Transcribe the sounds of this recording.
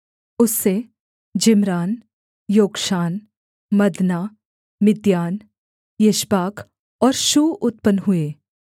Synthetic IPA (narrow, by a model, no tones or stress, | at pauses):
ʊsːe | d͡ʒɪmɾaːn | joːɡʃaːn | mɐd̪naː | mɪd̪jaːn | jeʃbaːkʰ | ɔːɾʃuːʔʊt̪̚pənɦʊeː